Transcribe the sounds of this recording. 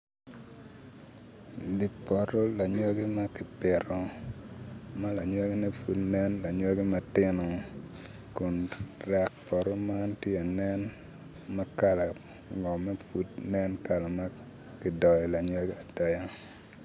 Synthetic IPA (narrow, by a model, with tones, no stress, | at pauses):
di˨pɔ˨ɾɔ˦la˨ɲwa˦ɡi˦ma˦kɪ˨pɪ˨ɾɔ˨ | ma˦la˨ɲwa˦ɡi˦nɛ˦fu˨tnɛ˦nla˨ɲwa˦ɡi˦ma˦tɪ˦nɔ˨ | kʊ˨nɾɛ˨k̚pɔ˨ɾɔ˦ma˦ntjɛ˦a˨nɛ˦n | ma˦ka˨la˨ | ŋɔ˨mɛ˦fu˦tnɛ˦nka˨la˨ma˦ | kɪ˨dɔ˨jɔ˨la˨ɲwa˦ɡi˦a˨dɔ˦ja˦